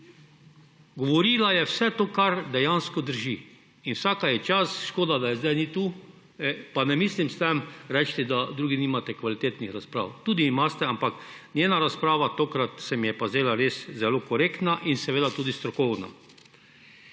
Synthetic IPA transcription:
ɡɔʋɔɾiːlajɛwsɛt̪oːkaɾd̪ɛjanskɔd̪əɾʒi | inwsaːkajɛt͡ʃasʃkoːd̪ad̪ajɛzd̪ajnit̪u | ɛpanɛmiːslimst̪ɛmɾɛt͡ʃt̪ɛd̪ad̪ɾuːɡiniːmat̪ɛkʋalit̪eːt̪nixɾaspɾa̰ːwt̪uːd̪iːmast̪ɛampak | nʲjeːnaɾaspɾaːʋat̪oːkɾat̪sɛmjɛpazeːlaɾeszɛlokɔɾeːkt̪naʔinsɛʋeːd̪at̪uːd̪ist̪ɾɔkɔwna̰

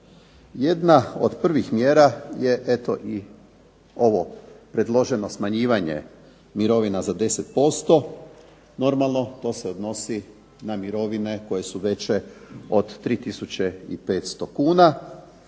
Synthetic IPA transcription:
jed̪nao̞̰d̪pr̩ʋixmjeːɾaje̞ʔet̪o̞̰ʔi | o̞ʋo̞pɾe̞d̪lˠo̞ʒe̞no̞smaɲiːʋaɲe̞̰ | miɾo̞ʋinazad̪e̞set̪po̞st̪o̞ | no̞ɾmalˠno̞t̪o̞ːseod̪no̞si | namiɾo̞ʋine̞ko̞je̞suʋe̞t͡ɕe̞o̞d̪ːɾiːt̪isut͡ɕe̞ḭpe̞ːt̪st̪o̞kuːna

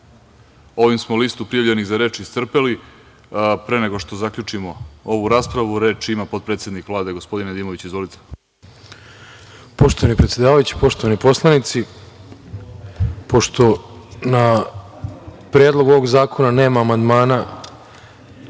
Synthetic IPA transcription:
o̞ʋimsmolist̪upɾijaʋʎeniɣzaɾe̞ːt͡ʃist̪r̩peli | pɾe̞neɡo̞ʂt̪o̞zakʎʲut͡ʂimoo̞ʋuɾaːspɾaʋuɾe̞ːt͡ʃimapo̞d̪̚pɾet̪sʲe̞d̪nikʋlˠaːd̪e̞ɡospo̞d̪ined̪iːmoʋit͡ɕizʋo̞lit̪e̥ | po̞ʃt̪oanipɾet̪sje̞d̪aːʋajut͡ɕi̥po̞ʃt̪o̞ʋanipo̞slˠanit̪si | po̞ʃt̪o̞na | pɾeːd̪lˠo̞ɡuoʋo̞ɡzaːkʰo̞naneːmaːmand̪maːna

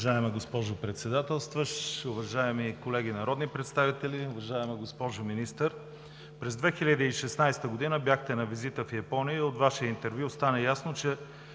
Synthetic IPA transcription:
ʒaɛmɛɡospɔʒʊpɾɛt̪sɛd̪at̪ɛlˠst̪vəʃʊvɐʒaɛmikolɛɡ̟inɐɾɔd̪nipɾɛt̪st̪avit̪ɛlʲiʊvɐʒaɛmɛɡospɔʒʊminist̪əɾ | pɾɛzd̪vɛxilʲəd̪iːʃɛsnajst̪əɡod̪inəbjaxt̪ɛnɐvizit̪əfjɐpɔnijəot̪vaʃijəint̪ɛɾvʲjust̪anəjasnot͡ʃɛ

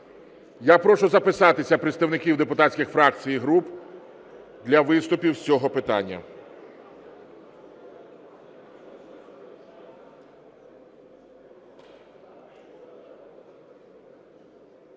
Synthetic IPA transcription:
japɾɔʃʊzɐpɪsɑt̪ɪsʲɐpɾet̪st̪ɐwnɪkʲiwd̪epʊt̪ɑtʲsʲkʲɪxfɾɑk̚t͡sʲijiɦɾup | d̪lʲɐʋɪst̪ʊpʲiwsʲt͡sʲɔɦɔpɪt̪ɑ̰nʲːɐ̰

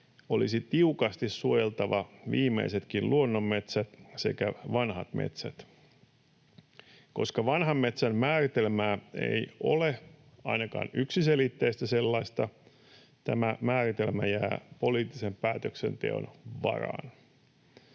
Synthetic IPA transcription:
o̞lisit̪iukɑst̪isːuojelt̪ɑʋɑʋiːmːḛiset̪kinlʔuonːomːe̞t̪sæt̪se̞̰kæʋɑnhɑt̪mʔḛt̪sæ̰t̪ | ko̞skɑʋɑnɦɑmːe̞t̪sæmmæːrit̪e̞lmæːe̞̰jo̞̰le | ɑ̰inɑkɑ̰ːnyksiselit̪ːejst̪æse̞lːɑist̪ɑ | t̪æmæmæːɾit̪e̞lmæ̰jæːpo̞liːt̪ːisempæːt̪økse̞̰nt̪e̞̰o̰nʋɑ̰rɑ̰ːn

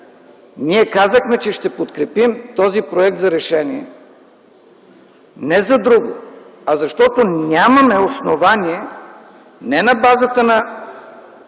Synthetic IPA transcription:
niɛkazəxmɛt͡ʃɛʃt̪ɛpot̪kɾɛpimt̪ɔzipɾoɛk̚t̪zɐɾɛʃɛniɛ̰ | nɛzɐd̪ɾuɡʊ̰ | ɐzɐʃt̪ɔt̪onʲamɐmɛosnovaniɛ | nɛnɐbazət̪ənɐ

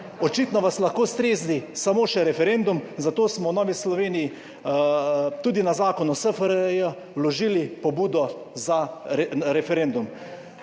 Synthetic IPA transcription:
ɔt͡ʃiːt̪nɔʋaslaxkoːst̪ɾeːzdisamoːʃɛɾɛfɛɾend̪umzat̪oːsmɔwnɔːʋislɔʋeːniji | t̪uːd̪inazaːkɔnɔsəfəɾjə | wlɔʒiːlipɔbuːd̪ɔza | ɾɛfɛɾend̪um

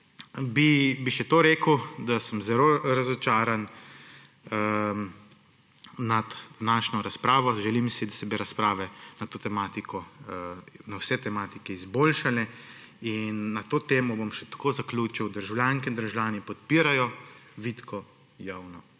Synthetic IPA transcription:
bibiʃɛt̪oɾeːkəwd̪asəmzɛɾoɾazɔt͡ʃaːɾan | nad̪d̪anaːʃnɔɾaspɾaːʋɔʒɛlimsid̪asɛbiɾaspɾaːʋɛnat̪oːt̪ɛmaːt̪ikɔ | nawsɛt̪ɛmaːt̪ikɛizboːlʃalɛ | inːat̪oːt̪eːmɔbomʃɛt̪ḁkoːzaklʲuːt͡ʃiwd̪əɾʒawljaːŋkɛind̪ɾʒljaːnipɔt̪̚piːɾajɔʋit̪kʰɔ | jaːwnɔ

